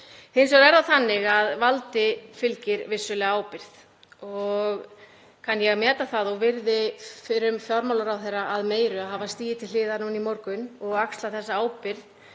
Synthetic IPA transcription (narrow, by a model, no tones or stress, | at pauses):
hɪnsɔɣɾɛɾðaθanːɪɣaðvalt̪ɪfɪlcɪɾvɪsːʏlɛaːwpɪɾ̥θ | ɔɣ | kʰanjɛɣmɛːt̪aθaðɔɣvɪɾðɪfɪɾʏmfjɔɾmawlaɾawθejrːaʔaðmeːjɾʏaðɦaːvast̪iːjɪt̪ʰɪlːɪːðanunimɔɾkʏnɔɣakst̪laθɛsːaaːwpɪɾð